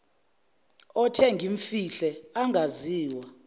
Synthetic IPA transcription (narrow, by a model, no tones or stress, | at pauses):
ɔtʰɛŋɡʱiɱfiɬɛaŋɡʱaziːwa